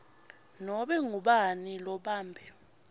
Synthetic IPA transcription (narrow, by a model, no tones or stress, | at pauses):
nɔɓɛŋuɓanilɔɓaːmbʱɛ